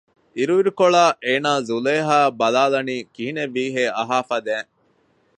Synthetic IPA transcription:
iɾuʋiɾukoɭaːʔeːnaːzuleːɦaːbɐlaːlɐniːkiɦineʋːiːɦeːʔɐɦaːfɐd̪æːŋ

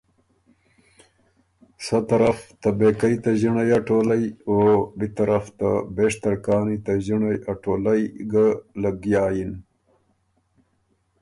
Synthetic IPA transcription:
sat̪ɐɾaft̪abekajt̪aʑiɳajaʈoːlajobit̪aɾaft̪a̰beːʂt̪ɐɾkɑːnit̪aʑiɳajaʈoːlajɡalaɡjaːjin

